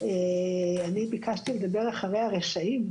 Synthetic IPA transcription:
eanibikaʃt̪iled̪abe̞ʁaχaʁejaʁeʃaim

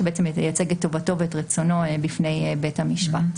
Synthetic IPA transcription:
ebeet͡semjat͡seɡetːovato̞veetʁet͡sono̞bifne̞jbethamiʃpat

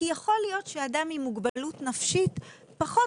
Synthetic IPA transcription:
ijaχo̞lijo̞tʃeadamimuɡbalutnafʃit | paχo

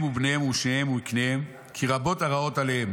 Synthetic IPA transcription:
mubneemuʃnehemuknehem | kʰiʁabo̞taʁao̞talehem

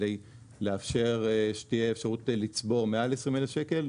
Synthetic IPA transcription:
ej | leafʃe̞ʁʃtieefʃaʁutlit͡sbo̞ʁmealesʁimelefʃeke̞l

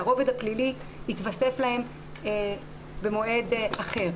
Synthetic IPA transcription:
aʁo̞ved̪aplili | it̪vase̞flahe̞m | be̞mo̞e̞d̪aχe̞ʁ

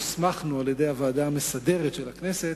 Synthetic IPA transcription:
smaχnualjed̪e̞javaːd̪aːmesad̪e̞ʁet̪ʃelakne̞set

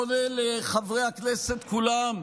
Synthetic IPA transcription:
oneleχavʁehakneset̪kulam

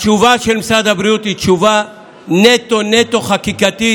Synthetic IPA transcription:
t͡ʃuvaʃelmisad̪abɾijut̪it͡ʃuva | net̪onet̪oχakikat̪i

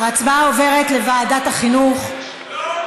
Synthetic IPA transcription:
at͡sbaove̞ʁet̪le̞vaːdataχinuχ

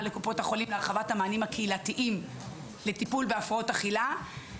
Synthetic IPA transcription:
lekupo̞taχo̞limleaʁχavathamaːnimhakʰeilatiʔim | letipulbeafʁao̞taχila

